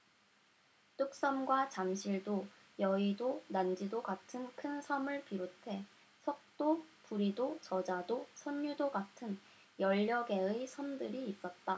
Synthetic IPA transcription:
t͈uk̚s͈ʌmɡwat͡ɕamɕʰiɭdo | jʌidonand͡ʑidoɡatʰɯnkʰɯnsʰʌmɯɭpiɾotʰe̞ | sʰʌk̚t͈opuɾidot͡ɕʌd͡ʑadosʰʌɲːudoɡatʰɯn | jʌʎːʌɡe̞ɯisʰʌmdɯɾiːs͈ʌt̚t͈a

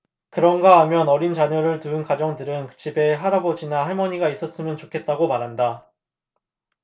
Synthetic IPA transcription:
kɯɾʌnɡaɦamjʌnʌɾint͡ɕaɲʌɾɯɭtuɯnkad͡ʑʌŋtɯɾɯnkɯ̥t͡ɕʰibe̞ɦaɾabod͡ʑinaɦaɭmʌɲiɡais͈ʌs͈ɯmjʌnt͡ɕokʰe̞t̚t͈aɡomaɾɦanda

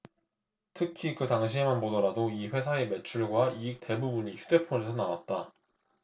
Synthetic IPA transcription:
tʰɯkʰikɯtaŋɕ̬ʰimanpodʌɾadoiɸwe̞sʰae̞me̞t͡ɕʰuɭɡwaiik̚t͈e̞bubuɲiçjude̞pʰonesʰʌnawa̰t̚t͈a

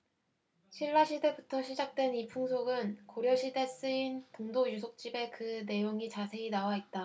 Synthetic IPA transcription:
ɕʰiɭːaɕʰide̞butʰʌɕʰid͡ʑak̚t͈we̞nipʰuŋsʰoɡɯnkoɾjʌɕʰide̞s͈ɯintoŋdojusʰok̚t͡ɕ͈ibe̞kɯne̞joŋit͡ɕasʰe̞inawait̚t͈a

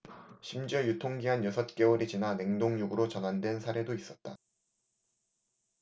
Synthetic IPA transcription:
ɕʰimd͡ʑʌjutʰoŋɡiɦanjʌsʰʌt̚k͈e̞oɾit͡ɕinane̞ŋdoŋjoɡɯɾot͡ɕʌnɦandwe̞nsʰaɾe̞dois͈ʌt̚t͈a

